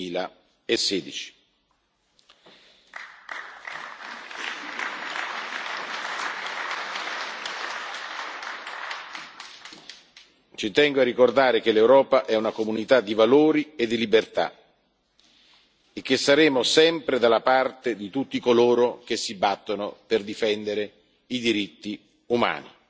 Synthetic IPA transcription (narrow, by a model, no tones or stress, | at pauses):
iːla | esɛːd̪it͡ʃi̥ | t͡ʃit̪ɛŋɡoarːikord̪aːɾek̟elewɾɔːpaʔɛunakomunit̪ad̪ːivaloːɾied̪ːilibert̪a̰ | ek̟ːesːaɾeːmosɛmpɾed̪alːapart̪ed̪it̪ut̪ːikoloːɾok̟esːibat̪ːonoperd̪ifɛnd̪eɾe | id̪iɾit̪ːi | uma̰ːnḭ